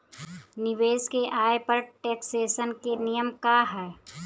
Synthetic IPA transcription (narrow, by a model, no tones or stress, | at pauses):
nɪʋeːskeʔaːepɐɾʈeːkseːʃənkenijəmkaɦɛː